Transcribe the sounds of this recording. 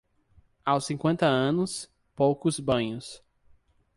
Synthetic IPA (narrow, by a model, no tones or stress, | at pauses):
awsĩŋkwẽnt̪ɐɐ̃nʊs | powkʊzbɐ̃ɲʊs